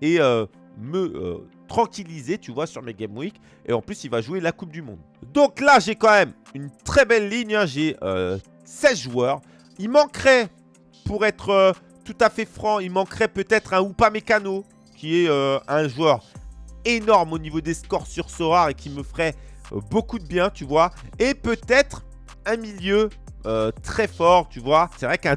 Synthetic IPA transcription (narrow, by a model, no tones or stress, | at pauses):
eø | məø̰t̪χɑ̃kʲilizet̪yvwasyʁmeɡʲɛmwik | ḛɑ̃plysilvaʒwelakup̚d̪ymɔ̃d̪ | d̪ɔ̃klaʒekɑ̃mɛm | ynt̪χɛbɛlːiɲɛ̃ʒeø̰ | sɛt̪ʒuœːʁ | ilmɑ̃kχɛ | puʁɛt̪χø | t̪ut̪afɛfχɑ̃ilmɑ̃kχɛpøt̪ɛt̪χɛ̃upamekano | kʲiɛøɛ̃ʒuœʁenɔʁmonivod̪eskɔʁsyʁsɔʁaʁekʲiməfʁɛbokud̪əbjɛ̃t̪yvwa | epøt̪ɛt̪χ | ɛ̃miljø | øt̪χɛfɔʁt̪yvwasɛvʁɛkɛ̃